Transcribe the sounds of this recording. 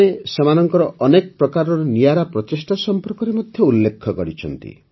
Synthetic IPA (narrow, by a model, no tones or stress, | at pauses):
esemanɔŋkɔɾɔʔɔnekɔpɾɔkaɾɔɾɔnijaɾapɾɔt̪isʈasɔmpɔɾkɔɾemɔd̪ʱjɔulːekʰːɔkɔɾit͡ʃʰɔ̰nt̪ḭ